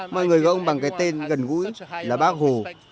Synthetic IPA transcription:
mɔ̰˧˨jŋɨ˨˩əjɣɔ˧˩ʔə˧ŋ͡mɓa˨˩ŋkaː˨˦jt̪e˧nɣə˨˩nɣṵ˧˥jlaː˨˩ɓaː˦˥k̚ho˨˩

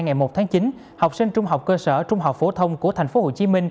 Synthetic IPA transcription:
ŋa˨˩jmo˨˩t̚t̪ʰaː˨˦ŋt͡ɕi˨˦n | ha˨˩wk͡p̚sï˧ŋt͡ɕʊ˧ŋ͡mɦa˨˩wk͡p̚kəː˧səː˧˩t͡ɕʊ˧ŋ͡mɦa˨˩wk͡p̚fo˧˦t̪ʰə˧wŋ͡mku˧˩ət̪ʰa˨˩jŋ̟fo˨˦ho̰˧˨t͡ɕi˨˦mï˧ŋ̟

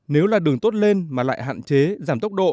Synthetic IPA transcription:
ne˨˦wlaː˨˩ɗɨ˨˩əŋt̪o˦˥t̚le˧nmaː˨˩la̰ː˧˨jɦa̰ː˧˨nt͡ɕe˨˦zaː˧˩mt̪ə˦˥wk͡p̚ɗo̰˧˨

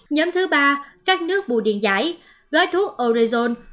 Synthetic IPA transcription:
ɲɔː˨˦mt̪ʰɨ˨˦ɓaː˧kaː˦˥k̚nɨ˦˥ək̚ɓṵ˧˨ɗḭ˧˨ənza̰ː˧˦j | ɣɔː˨˦jt̪ʰu˦˥ək̚ʔo˧zi˧zo˧n

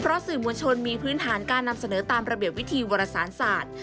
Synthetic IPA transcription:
pʰɾɔ˦˥sɯː˨˩mu˧ənt͡ɕʰo˧nmiː˧pʰɾɯː˦˥nt̪ʰaː˩˦nkaː˧nːa˧msa˧nɤː˩˦t̪aː˧mɾa˧bi˨˩əp̚wi˦˥t̪ʰiː˧woː˧ɾa˧saː˩˦nsaː˨˩t̪̚

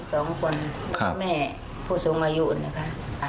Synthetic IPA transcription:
sɔː˨˦ŋku˧ənkʰa̰˧mɛː˧˨ | pʰuː˧˨so˨˦ŋʔa˧ju˧ʔna˧˨kʰa˧a˨

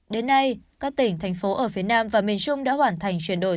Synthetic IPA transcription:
ɗe˨˦nːa˧jkaː˦˥k̚t̪ï˧˩ŋ̟t̪ʰɛ˨˩jŋ̟fo˨˦ʔəː˧˩fi˨˦ənaː˧mvaː˨˩mi˨˩ənt͡ɕʊ˧ŋ͡mɗa̰ː˧˥ɦwaː˧˩nt̪ʰa˨˩jŋ̟t͡ɕwi˧˩ənɗo̰˧˩

